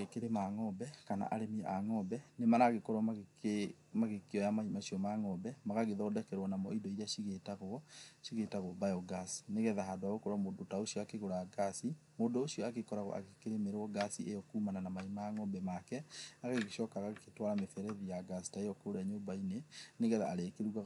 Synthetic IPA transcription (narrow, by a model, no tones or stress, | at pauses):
ɣekeɾemaŋɔbɛkana̰ʔaɾemiaŋɔbɛnemaɾaɣekɔɾwa | maɣekiɔjamaimaɕiɔmaŋɔbɛmaɣaɣeðɔːdɛkɛɾwɔnamɔidɔiɾeaʃiɣetaɣoɔʃiɣetaɣobajɔɡasi̥neɣɛðahaːdoaɣokɔɾwamodotaoʃiɔakeɣoɾaɡasi | modoːʃiɔakekɔɾaɣɔ̰ʔa̰ɣekeɾemeɾwɔɡasiʔejɔkuːmananamaimaŋɔbɛmakɛaɣeɣeʃɔːkaɣaketwaɾamefɛɾɛðijaɡasi̥taejɔkoɾaɲobaineneɣɛða̰aɾekeɾuɣa